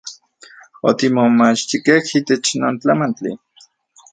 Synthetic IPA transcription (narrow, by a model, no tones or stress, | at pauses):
ot̪imomat͡ʃt̪ikehiːt̪et͡ʃnoːnt͡ɬamant͡ɬḭ